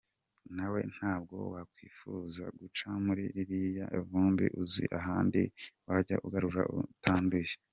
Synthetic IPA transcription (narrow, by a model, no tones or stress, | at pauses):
nawe̞̰n̥haːb̚ɡo̞̰wakwiːfuza̰ɡut͡ʃamuɾiɾiɾijaʔevuːmbḭʔuzḭʔaɦaːndḭwaɟaʔuɡaɾuɾa̰utʰaːnduje